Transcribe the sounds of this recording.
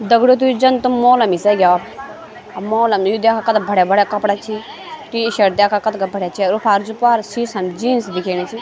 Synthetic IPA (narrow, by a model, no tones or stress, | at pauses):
d̪ɐɡɽot̪̬ujid͡ʒɐnt̪umoːlɐmisɛɡʲa | ɐmoːlɐmjud̪jaːkʰakɐt̪bʱɐɽjabʱɐɽakɐpɽat͡ʃʰi | t̪iʃɐɾd̪ʲjaːkʰakɐt̪ɡɐbʱɐɽʲjat͡ʃʰiɾupʰaːɾd͡ʒupaːɾsiːsɐmd͡ʒiːnsbikʰeːɽ̃it͡ʃʰi